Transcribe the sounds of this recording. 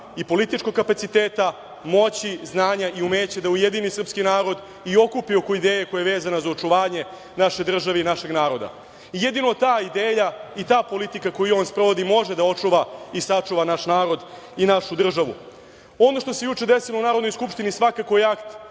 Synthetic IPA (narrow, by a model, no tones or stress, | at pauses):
ipo̞lit̪it͡ʃkoɡkapat̪sit̪eːt̪a | mo̞t͡ɕiznaːɲaiumeːt͡ɕed̪aujed̪inisr̩pskinaːɾo̞d̪ | io̞kupio̞koid̪eːjeko̞jaeʋe̞ːzanazao̞t͡ʂuʋaːɲe̞ | naʃe̞d̪r̩ʒaʋeinaʃe̞ɡnaːɾo̞d̪a̰ | ijed̪inot̪aːid̪eːjait̪aːpo̞lit̪ikako̞jio̞ːnspɾo̞ʋo̞d̪imo̞ʒed̪ao̞t͡ʂuʋaisat͡ʂuʋanaʃnaːɾo̞d̪ | inaʃud̪r̩ʒaʋṵ | o̞no̞ʃt̪o̞se̞jut͡ʂe̞d̪esilo̞unaːɾod̪no̞jskupʂt̪inisʋakako̞jeakt̪